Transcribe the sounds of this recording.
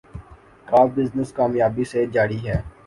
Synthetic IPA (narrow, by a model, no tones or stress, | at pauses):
kaːbɪznəskaːmjaːbised͡ʒaːɽiɦɛː